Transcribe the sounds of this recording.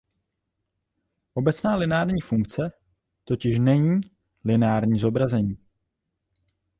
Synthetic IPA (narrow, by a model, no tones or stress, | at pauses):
ʔo̞bɛt͡snaːlɪnaːɾɲiːfuŋkt͡sɛ | t̪o̞cɪʃnɛɲiː | lɪnaːɾɲiːzo̞bɾazɛɲiː